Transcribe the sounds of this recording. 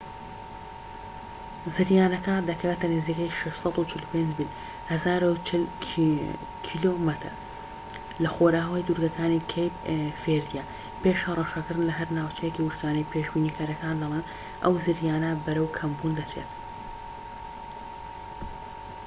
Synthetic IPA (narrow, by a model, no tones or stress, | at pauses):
zɨɾjaːnɐkad̪ɐkʰɐweːt̪ɐnɨziːkɐjʃɐʃsɑt̪ut͡ʃʰɪlupend͡ʒbil | hɐzaːɾul | kʰilomɐt̪ʰɾ | lɐxoɾaːwɐjd̪uɾɡɐkʰaːnikʰejpfeɾd̪ijaː | peʃhɐrˤɐʃɐkɨɾd̪nlɐɦɐɾnaːwt͡ʃʰɐjeciwuʃkaːnɐjpʰeːʃbiːniːkʰɐɾɐkaːnd̪ɐlˠeːm | ʔɐ̰wzɨɾjaːnɐbɐɾɐwkʰɐmbuːnd̪ɐt͡ʃḛːt̪